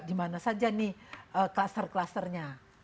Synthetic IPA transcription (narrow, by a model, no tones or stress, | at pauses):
dimanasad͡ʒanɪhʔəklast̪ərklast̪ərɲa